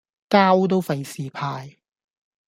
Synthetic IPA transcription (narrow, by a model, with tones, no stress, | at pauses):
kaː˥wt̪̬o˥wfɐ˨˧jsiː˨pʰaː˧j